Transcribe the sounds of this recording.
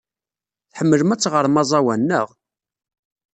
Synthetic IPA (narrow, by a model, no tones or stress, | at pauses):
θħəmːələmæt͡sːʁəɾˤmɑzˤɑwænːəʁ